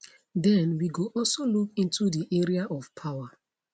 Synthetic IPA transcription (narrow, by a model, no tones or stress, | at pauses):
dɛ̃nwiɡoʔɔlsolukĩntudiʔeɹiaʔɔv̥pʰawa